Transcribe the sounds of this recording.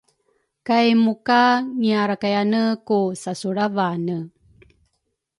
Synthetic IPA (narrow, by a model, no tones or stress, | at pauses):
kajmukaŋiaɾakajanəkusasuɾavanə